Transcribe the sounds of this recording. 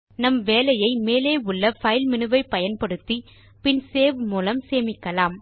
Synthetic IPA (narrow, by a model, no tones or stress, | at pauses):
nɐmʋeːlɐjɐɪmeːleːʊɭːɐfɐjɪlmɪnɯʋɐɪpːɐjɐnpɐɽɯt̪ːi | pɪnseːʋɯmuːlɐmseːmɪkːɐlaːm